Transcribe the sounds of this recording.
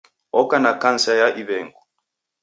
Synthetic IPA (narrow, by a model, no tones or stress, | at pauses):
ɔkanakansajaʔiβɛːŋɡɔ